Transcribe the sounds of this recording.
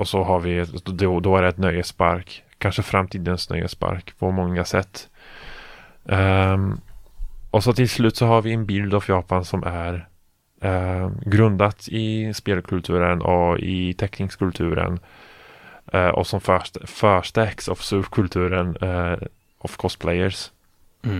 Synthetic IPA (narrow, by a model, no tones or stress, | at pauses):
ɔsɔɦaɾvɪd̪ɛd̪ɔæɾɛt̪nœjəspa̰ɾkʰː | anʂəfɾamt̪ʰiːd̪ənsnœ̰jə̰spa̰ɾkpʰɔmɔŋːasɛt̪ː | ɔsɔt̪ʰɪlslʉːt̪sɔɦaɾvɪɛnbɪld̪afjɑːpansɔmʔæɾ | ɡɾɵnd̪at̪ɪspeːlkʰɵlt̪ʰʉ̟ːɾənɔɪ̰t̪ʰɛknɪŋskʰɵlt̪ʰʉ̟ːɾə̰n | ʔɔ̰sɔmfœʂfœːʂʈ̪ɛksɔfsʉːpkʰɵlt̪ʰʉ̟ːɾən | ʔɔfkʰɔst̪̚pʰlɛjəɾs